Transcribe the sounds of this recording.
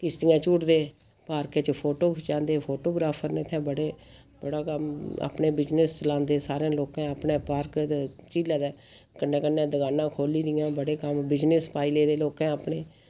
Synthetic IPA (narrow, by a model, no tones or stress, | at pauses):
kɪst̪ɪjãːt͡ʃuːʈd̪eː | paːɾkẽːt͡ʃpʰoːʈoːkt͡ʃãːnd̪eːpʰoːʈoːɡɾaːpʰəɾneːt̪ʰɛ̃ːbəɽeː | bəɽaːkəma̰ːpɳeːbɪd͡ʒnest͡ʃəlãːnd̪eːsaːɾẽːloːkãːəpnẽːpaːɾk̪t͡ʃiːlɛːd̪ɛː | kənːɛ̃ːkənːẽːd̪əɡaːnãːkʰoːliːd̪ɪjãːbəɽeːkəmbɪd͡ʒnespaːɪleːd̪eːloːkãːəpɳeː